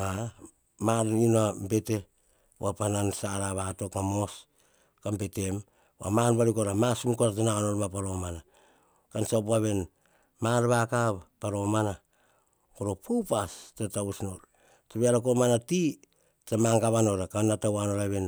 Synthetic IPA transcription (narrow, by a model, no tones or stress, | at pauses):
a | maɾinambe̞te̞ | wapanansaɾaβato̞kamo̞s | kambe̞te̞m | a̰manbaɾikoɾamasumkoɾatananoɾmapaɾo̞mana | kansap̬aβe̞n | maɾβakapaɾo̞mana | koɾopupastatausnoɾ | taβeaɾak̬omanati | tamaŋɡaβano̞ɾakanːatawano̞ɾaβe̞n